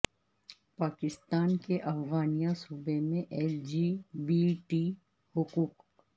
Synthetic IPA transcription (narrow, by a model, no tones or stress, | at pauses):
paːkɪst̪aːnkeʔɐfɣaːnijãsuːbemẽʔɛːld͡ʒiːbiːʈiː | hʊkuːk